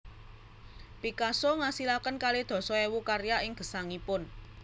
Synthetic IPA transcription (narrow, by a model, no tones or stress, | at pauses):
pikasoŋasilakənkaled̪̥ɔ̤sɔewukaɾjaɪŋɡ̥ə̤saŋipʊn